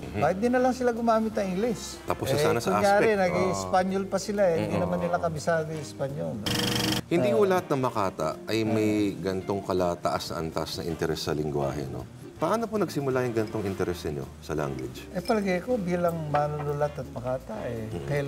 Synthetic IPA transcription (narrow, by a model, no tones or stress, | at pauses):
aɪt̪̚d̪ɪnɐlɐŋsɪlaɡʊmaːmɪt̪sɐʔiŋɡlɪs | t̪ɐpossaːnɐsɐʔajaːɾɛnɐɡiɪspaɲolpɐsɪlahɪnd̪inɐmanːɪlakɐbɪsaːd̪ɪɪspaɲolhɪnd̪ikolɐhat̪̚nɐmɐkaːt̪ɐ̰ʔɐjmɐjɡɐnt̪o̞ŋkɐlaːt̪ɐʔasnɐ̰ʔɐ̰nt̪asnɐʔɪnt̪ɛɾɛsːɐlɪŋɡwa̰ːhɛ̰no̰ | pɐʔaːnoponɐɡ̚sɪmʊlajʊŋɡɐnt̪oŋʔɪnt̪ɛɾɛsnɪɲo̞̰sɐla̰ŋɡwɪ̰d͡ʒʔɛpɐlɐɡɐjko̞biːlɐŋmɐnʊlʊlɐt̪ɐt̪̚mɐkaːt̪ɐʔɛkɐja